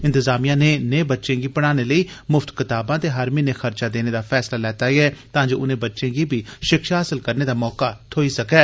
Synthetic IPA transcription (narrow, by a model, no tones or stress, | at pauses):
ɪ̃nt̪ɪzaːmijãːneneːbətːʃẽːɡiːpəɽ̃aːneləiːmʊft̪kɪt̪aːbãːt̪eːɦaɾmiːnexəɾt͡ʃaːd̪eːneːd̪aːfʰɛːslaːlɛːt̪aːiɛːt̪ãːd͡ʒoːʔʊnẽːbətːʃẽːɡiːbʱiːʃɪkʃaɦəsɪlkəɾneːd̪aːmɔːkaːt̪ʰoːisəkɛː